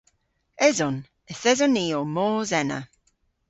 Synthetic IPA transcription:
ɛzɔn | ɪθɛzɔniːɔmɔːzɛnə̰

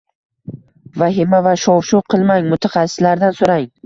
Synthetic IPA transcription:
vaɦɪmavaʃɒwʃuqʰɨlˠmaŋmʊt̪ʰaχɑsːɪ̥slaɾd̪ansoɾaŋ

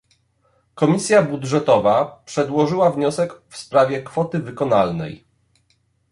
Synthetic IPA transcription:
kɔmʲisʲjabudʐɛt̪ɔvapʂɛd̪wɔʐɘwavɲɔsɛkfspɾavʲjɛkfɔt̪ɘvɘkɔna̰lnɛ̰j

